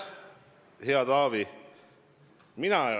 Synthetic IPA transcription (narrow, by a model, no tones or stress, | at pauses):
heɑd̪ɑːvi | minæ